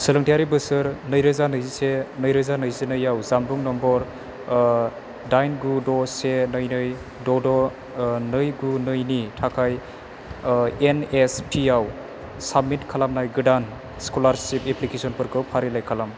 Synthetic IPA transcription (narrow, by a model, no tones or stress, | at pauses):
sɯlɯŋtʰijaɾibɯsɯɾnɯjɾɯzanɯjzisenɯjɾɯzanɯjsenɯjawzambuŋnɔmbɔɾ | dajnɡudɔsenɯjnɯj | dɔdɔ | nɯjɡunɯjnitʰakʰaj | enespʰiaw | sabmːitkʰalamnajɡɯdan | skɔlaɾsipeplikesɔnpɯɾkʰɯwpʰaɾilajkʰalam